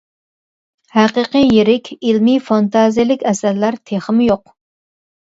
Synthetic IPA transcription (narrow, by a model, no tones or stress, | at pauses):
hæqəqɨjeɾɪkʲilmifɑnt̪ʰɑzijilɪkʲɛsæɾlæɾt̪ʰeχəmɪjoq